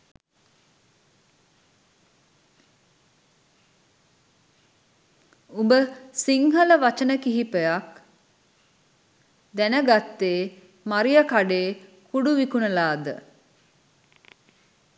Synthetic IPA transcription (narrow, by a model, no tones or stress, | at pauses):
umbəsiŋɦələʋat͡ʃənəkiɦipəjak | d̪ænəɡat̪ːeː | maɾijəkaɖeːkuɖuʋikunəlaːd̪ə̰